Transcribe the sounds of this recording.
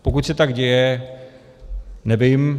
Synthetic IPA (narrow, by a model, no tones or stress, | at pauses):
pokut̪sɛt̪aɡɟɛjɛ | nɛvɪm